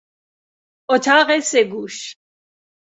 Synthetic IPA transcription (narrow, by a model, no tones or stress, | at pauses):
ɔt̪ʰaʁɛsɛɡuʃ